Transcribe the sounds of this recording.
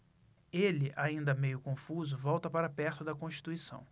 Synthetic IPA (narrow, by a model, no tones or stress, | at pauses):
elɪʔaĩnd̪ɐmejʊkõfuzʊvɔwt̪ɐpaɾɐpɛɾt̪ʊd̪ɐkõʃt͡ʃi̥t̪uisɐ̰̃w̃